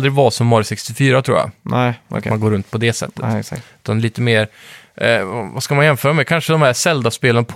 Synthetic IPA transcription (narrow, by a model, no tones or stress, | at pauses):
lɾɪɡvɑːsɔmːɔɾsɛkst̪ɪfyːɾat̪ʰɾṵːja̰tmanɡoːɾɵnt̪̚pʰɔd̪ɛsɛ̰t̪ːə̥sʉ̟ːt̪ʰanliːt̪əmeːɾ | vaskamanjɛnfœːɾamɛkʰanʂəd̪ɔmhæʂɛld̪avspeːlənapʰ